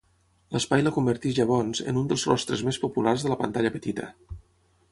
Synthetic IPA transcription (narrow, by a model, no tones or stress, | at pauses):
ləspajləkumbəɾt̪iʒəβ̞ɔnzə̰nund̪əlˠzrɔ̰st̪ɾəzmespupularzðələpə̰nt̪aʎəpət̪it̪ə̰